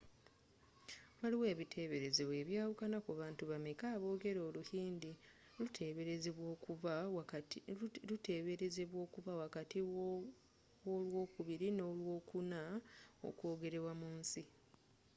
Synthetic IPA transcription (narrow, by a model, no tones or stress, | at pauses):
waliwe̞ːβitʰe̞βe̞ɾe̞zeβwe̞ːβjaːwukanakuβaːntuβamekaːβo̞ːɡe̞ɾo̞ːluhiːndi | utʰeβeɾezeβwo̞ːku | luteːβeɾeze̞βwo̞ːkuβawakati | wolwo̞ːkuβiɾino̞lwo̞ːkunao̰kwo̞ːɡe̞ɾe̞βwamuːnsi